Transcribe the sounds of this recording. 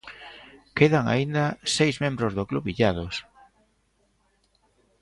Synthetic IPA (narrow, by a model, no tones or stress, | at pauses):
keðaŋa̰ind̪asejzmẽmbɾozðokluβiʎað̞os